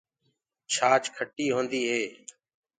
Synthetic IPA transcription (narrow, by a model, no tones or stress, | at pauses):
t͡ʃʰaːt͡ʃkʰəʈːiːɦõːnd̪iːɦeː